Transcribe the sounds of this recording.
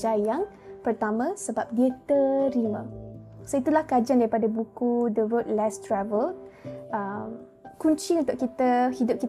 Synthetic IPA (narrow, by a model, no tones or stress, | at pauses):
d͡ʒajaŋ | pərt̪amãsəbap̚diət̪əɾimã̰soit̪ulahkad͡ʒandaɾipadabukudəwət̪̚lɛst̪ɾavələm | kuɲt͡ʃiunt̪ʊʔkit̪ahidʊp̚kit